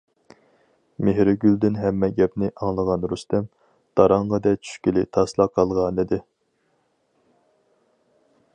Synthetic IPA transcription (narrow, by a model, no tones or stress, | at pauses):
meɦɾɪɡʲyld̪ɪnɦɛmːɛɡʲɛpnɪʔɑŋlˠəʁɑnɾust̪ɛm | d̪̥ɑɾɑɴʁɑd̪ɛt͡ʃʰy̥ʃkʲilɪt̪ʰɑslˠɑqʰɑlˠʁɑnɨd̪ɨ